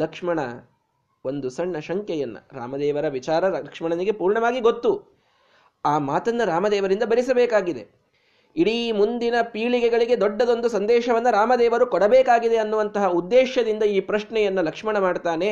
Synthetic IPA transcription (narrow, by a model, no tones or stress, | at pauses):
lɐkʂmɐɳɐ̰ | o̞nd̪usɐɳːɐʃɐŋkjɛjɐnːɐ̰ɾa̰ːmɐd̪ɛːʋɐɾɐʋit͡ʃaːɾɐɐkʂmɐɳɐniɡe̞puːɾɳɐʋaːɡiɡot̪ːu | aːmaːt̪ɐnːɐɾaːmɐd̪ɛːʋɐɾind̪ɐbɐɾisɐbɛːkaːɡid̪e̞̰ | iɽimund̪inɐpiːɭiɡɛɡɐɭiɡe̞d̪ɔɖːɐd̪o̞nd̪usɐnd̪ɛːʃɐʋɐnːɐɾaːmɐd̪ɛːʋɐɾukɔɽɐbɛːkaːɡid̪e̞ɐnːuʋɐnt̪ɐɦɐud̪ːeːʃɐd̪ind̪ɐiːpɾɐʂɳɛjɐnːɐlɐkʂmɐɳɐmaːɽt̪aːne̞